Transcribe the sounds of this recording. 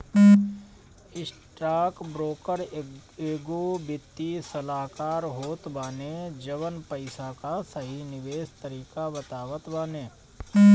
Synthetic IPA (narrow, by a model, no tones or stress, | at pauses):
ɪsʈɾaːkbɾoːkəɾeːɡobɪt̪ːisəlaːkaːɾɦoːt̪baːned͡ʒəʋənpəɪsakasəɦinɪʋeːst̪əɾiːkabət̪aːʋət̪baːneː